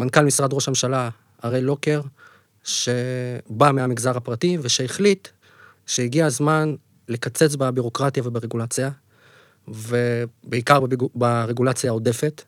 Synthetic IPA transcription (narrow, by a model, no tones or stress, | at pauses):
mankalmisʁad̪ʁo̞ʃamʃala | aʁe̞jlo̞ke̞ʁ | ʃe̞bameamiɡzaʁapʁative̞ʃeːχlit | ʃeiɡiazman | le̞kat͡se̞t͡sbabiʁo̞kʁatjave̞beʁeɡulat͡sia | ve̞beikaʁbaʁeɡulat͡sjao̞de̞fe̞t